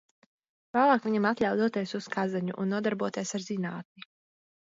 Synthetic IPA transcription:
vaːlˠaːkvʲiɲamat̪lʲawd̪uɔt̪iɛsuskʰazaɲuʔṵnːuɔd̪aɾbuɔt̪iɛsaɾzinaːt̪̚ni

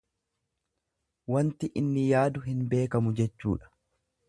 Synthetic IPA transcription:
wɐnt̪ɪʔɪnːɪjaːd̪ʊɦɪnbe̞ːkɐmʊd͡ʒɛt͡ʃːṵːᶑɐ̥

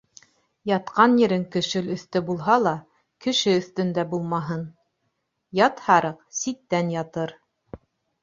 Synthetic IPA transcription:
jɑt̪qɑnjɘ̆ɾɘŋkɘ̆ʃɘlɵ̆θt̪ɘbulˠɦɑlˠɑ | kɘ̆ʃɘɵ̆θt̪ɵ̆nd̪æbulˠmɑɦɤn | jɑt̪hɑɾɤqsit̪ːænjɑt̪ɤɾ

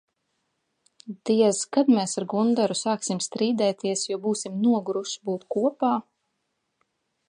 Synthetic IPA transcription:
d̪̥iɛzkad̪mɛːsaɾɡund̪aɾusaːksimst̪ɾiːd̪ɛːt̪iɛsjuɔbuːsimnuɔɡɾuʃbuːt̪kuɔpaː

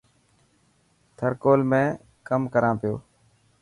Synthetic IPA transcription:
t̪ʰəɾkoːlmẽː | kəmkəɾãːpɪjo̰ː

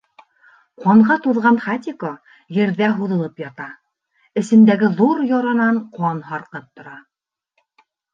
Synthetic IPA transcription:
qɑɴʁɑt̪uðʁɑnχat̪ʲiko | jɘ̆ɾðæɦuðɤ̆lˠɤpjɑt̪ɑ | ɘ̆sɘ̆md̪æɡɘðuɾjɑɾɑnɑɴqɑnɦɑɾqɤp̚t̪ŏɾɑ

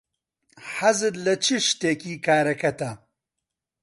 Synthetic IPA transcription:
ħɐzɨd̪lɐt͡ʃʰɨʃt̪eːkiːkaːɾɐkɐt̪ɐ

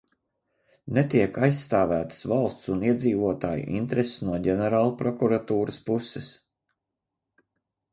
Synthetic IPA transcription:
net̪iɛkajsːt̪aːvæːt̪ə̥svalˠst̪suniɛd̪ziːvuɔt̪aːjṵʔḭnt̪ɾessnuɔɟʲɛnɛɾaːlˠupɾɔkuɾat̪uːɾəspusɛs

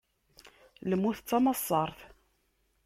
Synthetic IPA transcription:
ləmːuθət͡sːɑmɑsˤːɑɾˤθ

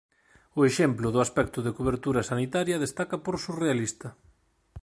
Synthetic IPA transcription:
ʊeʃemplʊðʊaspɛkt̪ʊðekoβ̞eɾt̪uɾɐsanit̪aɾjɐðest̪akɐpoɾsurealist̪ɐ

